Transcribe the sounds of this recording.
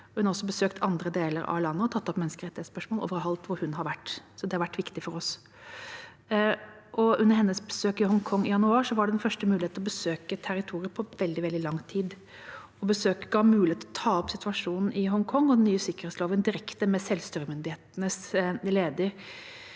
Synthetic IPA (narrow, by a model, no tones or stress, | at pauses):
hʉnɑɾɔsːɔbəsøːkt̪ʰɑnd̪ɾəd̪eːləɾɑ̰lɑnːəɔt̪ʰɑt̪ːɔpmɛnəskəɾɛt̪ːɪɛt̪spœʂmoɔːlʔo̰ʋəɾɑlt̪ʋʊɾhʉnhɑɾʋæʈːsɔd̪ɛhɑɾʋæʈːʋɪkt̪ɪfɔɾɔs | ʔɔʉnəɾhɛnːəsbəsøːkɪhɔŋkʰɔŋːɪjɑnʉɑːʂɔʋɑɖɛd̪ɛnfœʂʈəmʉːlɪeːt̪ɔbəsøːkət̪ʰæɾɪt̪ʰuːɾɪəpʰɔʋɛld̪ɪʋɛld̪ɪlɑŋːt̪ʰiːd̪ | ɔbəsøːkɡɑːmʉːlɪeːt̪ɔt̪ʰɑːɔpsɪt̪ʰʉɑʂuːnn̩ɪɦɔŋkʰɔŋːɔd̪ɛnːyːəsɪkːəɾheːt̪sloːʋənd̪ɪɾɛkt̪əmɛsɛlʋst̪yːɾəmʏnd̪ɪheːt̪ənəsleːd̪əɾ